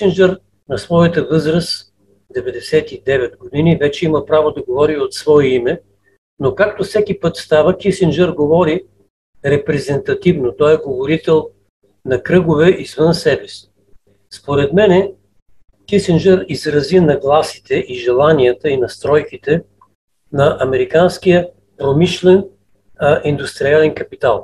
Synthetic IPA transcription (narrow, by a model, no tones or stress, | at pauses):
sind͡ʒɛɾ | nɐsvɔjət̪əvɤzɾəs | d̪ɛvɛd̪ɛsɛt̪id̪ɛvɛd̪ɡod̪inivɛt͡ʃɛiməpɾavod̪ɐɡovɔɾiot̪svɔɛimɛ | nokak̚t̪ofsɛkʲipɤt̪st̪avəkisind͡ʒɛɾɡovɔɾi | ɾɛpɾɛzɛnt̪ɐt̪ivnot̪ɔjɛɡovoɾit̪ɛlˠ | nɐkɾɤɡovɛʔizvɤnsɛbɛsi̥ | spoɾɛt̪mɛnɛ | kisind͡ʒɛɾizɾɐzinɐɡlˠasi̥t̪ɛʔiʒɛlˠaniət̪əinɐst̪ɾɔjkit̪ɛ | nɐʔɐmɛɾikansk̟ijə | pɾomiʃlɛn | ʔind̪ust̪ɾialɛnkɐpit̪alˠ